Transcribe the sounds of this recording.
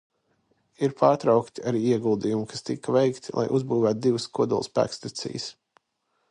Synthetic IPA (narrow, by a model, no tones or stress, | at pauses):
iɾpʰaːɾt̪ɾɑwkt̪iaɾiːiɛɡulˠd̪ijumkast̪ikɐvɛjkt̪lˠʔa̰jʔuzbuːvæːt̪̚d̪ivskuɔd̪ṵlˠspæ̰ːkst̪at̪sḭjs